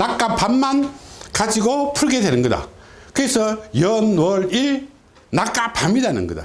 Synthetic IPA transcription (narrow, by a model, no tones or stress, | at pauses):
nak͈apʰanmankad͡ʑiɡopʰuɭɡe̞dwenɯnɡʌda̰kɯɾesʰʌjʌnwʌɾiɭ | nak͈apʰamidanɯ̰nɡʌ̰da̰